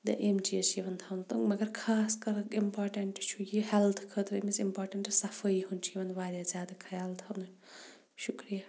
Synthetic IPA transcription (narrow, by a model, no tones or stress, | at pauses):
d̪ɐ̰ʔemt͡ʃijɐt͡ʃʰiʋɐnt̪ʰɐwnut̪umɐɡɐɾkʰaːskɐɾimpaːɾʈɐɳʈt͡ʃʰujiɦɛlt̪ʰkʰət̪ɾimisimpoːɾʈɐɳʈsɐfəiɦunt͡ʃʰiiʋɐnʋaːɾjazjaːd̪ɐkʰɐjaːlt̪ʰɐwnu | ʃukɾija